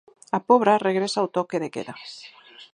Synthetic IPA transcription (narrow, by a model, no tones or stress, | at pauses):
apoβɾareɣɾesawt̪okeðekḛða